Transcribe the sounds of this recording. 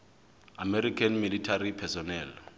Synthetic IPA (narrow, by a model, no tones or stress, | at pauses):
amɛɾikʰanmilitʰaripʰɛsɔnɛːl